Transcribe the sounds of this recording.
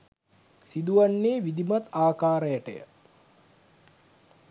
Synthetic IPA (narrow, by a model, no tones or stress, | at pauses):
sid̪uʋanːeːʋid̪imat̪aːkaːɾəjaʈə̰jə̰